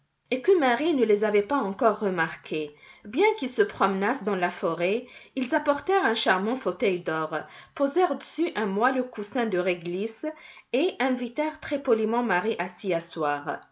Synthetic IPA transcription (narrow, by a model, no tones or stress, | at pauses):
ekəmaʁinəlezavɛpaɑ̃kɔʁːəmaʁkʰe | bjɛ̃kilsəpχɔmənasd̪ɑ̃lafɔʁeilzapɔʁt̪ɛʁɛ̃ʃaʁmɑ̃fot̪œjd̪ɔʁpozɛʁd̪əsyʔɛ̃mwalokusɛ̃d̪əʁɛɡlis | eʔɛ̃vit̪ɛʁt̪χɛpɔlimɑ̃maʁiʔasiaswaːʁ